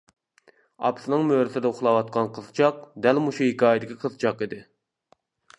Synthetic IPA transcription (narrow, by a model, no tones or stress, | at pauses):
ɑ̰psɨnɨŋmøːɾɪsɪd̪ɛuχlˠɑwɑt̪̚qʰɑnqʰəzt͡ʃʰɑq̚d̪ɛlmuʃuhikʲɑːjd̪ɪkʲʰiqʰəzt͡ʃʰɑqid̪ɪ